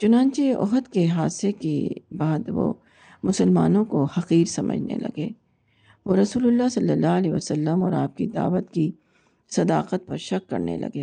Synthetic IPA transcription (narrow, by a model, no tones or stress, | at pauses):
t͡ʃʊnãːnt͡ʃeɔ̰ɦət̪keɦaːsekḛbaːd̪ʋo̰ | mʊsəlma̰ːnõkohɐqiːɾsɐmə̰d͡ʒʱnḛlɐ̰ɡeː | ʋoɾɐsuːlʊlːasɐlːəlːaːɐlɛʋəsəlːəmɔːɾaːp̚kid̪a̰ːʋət̪ki | sɐd̪aːqət̪̚pɐɾʃɐkːɐ̰ɾnḛlɐ̰ɡeː